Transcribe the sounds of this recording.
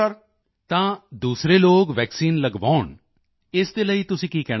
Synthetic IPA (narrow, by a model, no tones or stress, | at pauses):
əɾ | t̪ãːd̪uːsɾeːloːkʋɛːksiːnləɡʋaːʊɳ | ɪsd̪eːləiːt̪ʊsĩːkiːkɛː